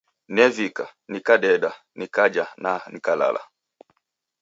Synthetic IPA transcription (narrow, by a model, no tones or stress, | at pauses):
nɛvikanikaɗɛɗa | nikad͡ʒananikala̰la̰